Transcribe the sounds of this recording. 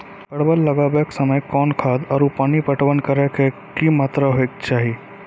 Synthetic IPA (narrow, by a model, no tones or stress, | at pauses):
kɐɽbəlːɐɡabeksəməjkɔːnkʰaːd̪ɔːɾupaːnipəʈwənkəɾeke | kimaːt̪ɾaɦoek̚t͡ʃaːɦi